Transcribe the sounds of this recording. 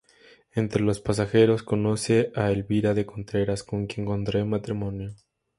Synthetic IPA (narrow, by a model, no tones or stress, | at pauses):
e̞nt̪ɾelo̞spas̬axe̞ɾo̞sko̞no̞se̞ʔaelβiɾaðe̞ko̞nt̪ɾe̞ɾasko̞ŋkje̞ŋko̞nt̪ɾemat̪ɾimõ̞njo